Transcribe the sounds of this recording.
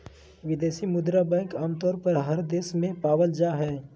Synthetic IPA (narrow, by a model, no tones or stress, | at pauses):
ʋɪd̪eːsimʊd̪ɾabɛ̃ːŋkaːmt̪ɔːɾpəɾɦəɾd̪eːsmẽpaːʋəld͡ʒaːɦɛː